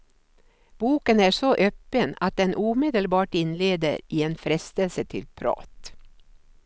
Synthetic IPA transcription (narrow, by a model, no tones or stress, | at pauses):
b̥uːkənæʂɔʔøːpːəna̰t̪̚d̪ɛnʔuːmed̪əlbɑːʈɪnleːd̪ə̰ɾɪenfɾɛst̪əlsət̪ʰɪ̰lpʰɾɑ̰ːt̪